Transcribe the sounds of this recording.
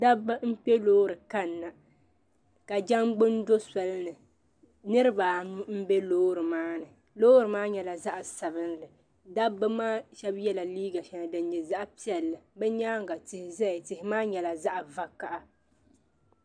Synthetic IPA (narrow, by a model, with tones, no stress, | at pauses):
da˦bːa˦m̩˦k͡pɛ˦loː˦ɾɨ˨ka˦nːa˨ | ka˨d͡ʒa˦ŋɡ͡bɨ˦ndo˦sa˨lɨ˦nɨ˨ | nɨ˦ɾɨ˦ba˨nu˦m̩˦bɛ˦loː˦ɾɨ˨maː˦nɨ˨ | loː˦ɾɨ˨maː˦ɲɛ˨la˨za˦ʔa˨sa˨βɨ˦n˦lɨ˨ | da˦bːa˦maː˦ʃɛ˦bjɛ˦la˨liː˦ɡa˨ʃɛ˦a˨dɨ˨n˦ɲɛ˨za˦ʔpi˦ɛ˨lːɨ˨bɛ˦ɲaː˦ŋ˨ɡa˨tɪ˨hɪ˨zɛ˦ɪ˨tɪ˨hɪ˨maː˦ɲɛ˨la˨za˦ʔa˨va˦ka˨ʔa˨